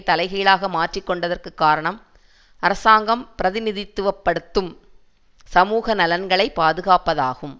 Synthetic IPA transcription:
t̪ɐlɐɪɣiːlaːɣɐmaːʈrikːɔɳɖɐðɐrkɯkːaːɾɐɳɐm | ɐɾɐsaːŋɡɐmpɪɾɐðɪnɪðɪt̪ːɯʋɐpːɐɽɯt̪ːɯm | sɐmuːɣɐnɐlɐnɡɐɭɐɪpːaːðɯɣaːpɐðaːɣɯm

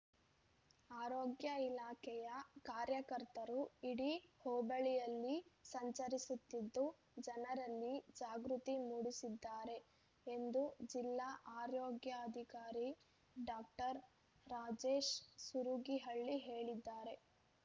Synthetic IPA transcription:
aːɾoːɡjɐilaːkʰɛjɐkaːɾjɐkɐɾt̪ɐɾuiɽihɔːbɐɭijɐlːisɐɲt͡ʃɐɾisut̪ːid̪ːu | d͡ʒɐnɐɾɐlːid͡ʒaːɡɾut̪imuɽisid̪ːaːɾe̞ | end̪ud͡ʒilːaʔaːɾoːɡjɐːd̪ʱikaːɾi | ɖaːk̚ʈɐɾ | ɾaːd͡ʒeːʃsuɾuɡiɦɐɭːiɦe̞ːɭid̪ːaːɾe̞

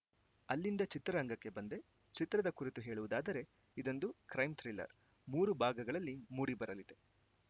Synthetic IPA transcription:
ɐlːind̪ɐt͡ʃit̪ɾɐɐŋɡɐkːe̞bɐnd̪e̞ | t͡ʃit̪ɾɐd̪ɐkuɾit̪uɦe̞ːɭuʋud̪aːd̪ɐɾe̞ | id̪o̞nd̪ukɾɐjmt̪ʰɾilɐ̰ɾ | muːɾubʱaːɡɐɡɐɭɐlːimuːɽibɐɾɐlid̪e̞

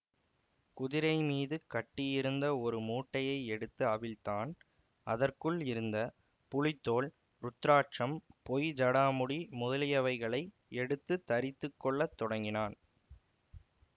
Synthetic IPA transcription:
kʊðɪɾɐɪmiːðɯkɐʈːɪjɪɾɯnd̪ɐɔɾɯmuːʈːɐjɐɪɛɽɯt̪ːɯɐʋɪlt̪aːn | ʔɐðɐrkɯɭɪɾɯnd̪ɐ | pʊɻɪt̪ːoːɭ | ɾʊt̪ːɾaːʈ̚t͡ʃɐmpɔjd͡ʒɐɽaːmʊɽimʊðɐlɪjɐʋɐɪɣɐɭɐɪ | ɛɽɯt̪ːɯt̪ːɐɾɪt̪ːɯkːɔɭːɐt̪ːɔɽɐŋɡɪnaːn

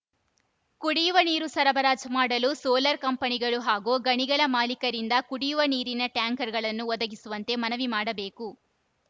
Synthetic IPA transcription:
kuɽiːʋɐniːɾusɐɾɐbɐɾaːd͡ʒɐmaːɽɐlusoːlɐɾkɐmpɐniɡɐɭuɦaːɡoːɡɐɳiɡɐɭɐmaːlikɐɾind̪ɐkuɽiːuʋɐniːɾinɐʈjaːŋkɐɾɡɐɭɐnːuɔd̪ɐɡisuʋɐnt̪e̞ːmɐnɐʋimaːɽɐbe̞ːku

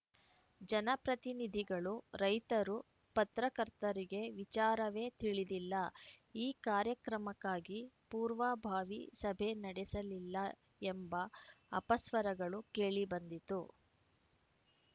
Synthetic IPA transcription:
d͡ʒɐnɐpɾɐt̪inid̪ʱiɡɐɭuɾɐjt̪ɐɾu | pɐt̪ɾɐkɐɾt̪ɐɾiɡe̞ʋit͡ʃaːɾɐʋe̞ːt̪iɭid̪ilːɐiːkaːɾjɐkɾɐmɐkːaːɡipuːɾʋaːbʱaːʋisɐbʱe̞nɐɽɛsɐlilːɐ | embɐɐpɐsʋɐɾɐɡɐɭukeːɭibɐnd̪it̪u

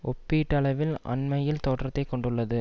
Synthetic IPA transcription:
ʔɔpːiʈːɐlɐʋɪlɐ̰nmɐjɪlt̪oːʈrɐt̪ːɐɪkːɔɳɖɯɭːɐðɯ

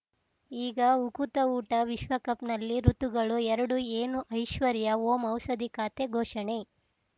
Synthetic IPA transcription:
iːɡɐukut̪ɐuːʈɐʋiʃʋɐkɐpnɐlːiɾut̪uɡɐɭuɛɾɐɽueːnuʔɐjʃʋɐɾjɐoːmɐwsɐd̪ikaːt̪eɡʱɔːʃɐɳe

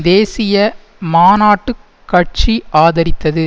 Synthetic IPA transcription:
d̪eːsɪjɐ | maːnaːʈːɯ | kːɐʈ̚t͡ʃiʔaːðɐɾɪt̪ːɐðɯ

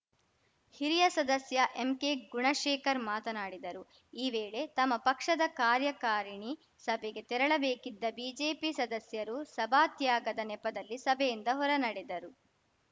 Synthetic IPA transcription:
hiɾijɐsɐd̪ɐsjɐʔemkeːɡuɳɐʃɛːkɐɾmaːt̪ɐnaːɽid̪ɐɾu | iːʋeːɭe̞t̪ɐmːɐpɐkʂɐd̪ɐkaːɾjɐkaːɾiɳi | sɐbʱɛɡe̞t̪ɛɾɐɭɐbeːkid̪ːɐbiːd͡ʒe̞ːpisɐd̪ɐsjɐɾusɐbʱaːt̪jaːɡɐd̪ɐnɛpɐd̪ɐlːisɐbʱɛjind̪ɐɦɔɾɐnɐɽed̪ɐɾu

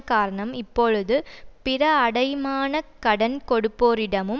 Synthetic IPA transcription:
kaːɾɐɳɐmɪpːɔɻɯðɯpɪɾɐːɽɐjmaːnɐkɐɽɐnkɔɽɯpːoːɾɪɽɐmɯm

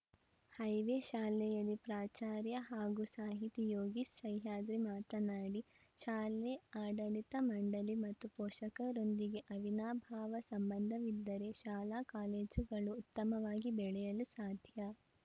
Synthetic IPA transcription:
hɐjʋeʃaːlɛjɐlːipɾaːt͡ʃaːɾjɐɦaːɡusaːɦit̪ijoːɡisʃɐjɦaːd̪ɾemaːt̪ɐnaːɽi | ʃaːlɛaːɖɐɭit̪ɐmɐɳɖɐlimɐt̪ːupɔːʃɐkɐɾo̞nd̪iɡe̞ʔɐʋinaːbʱaːʋɐsɐmbɐnd̪ʱɐʋid̪ːɐɾe̞ʃaːlaːkaːleːd͡ʒɡɐɭuːt̪ːɐmɐʋaːɡibɛɭɛjɐlusaːd̪ʱjɐ

